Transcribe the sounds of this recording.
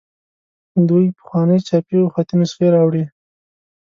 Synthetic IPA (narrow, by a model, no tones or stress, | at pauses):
d̪ujpə̥xwɑnəjt͡ʃɑpioxɑt̪imʊsxeɾɑwɽi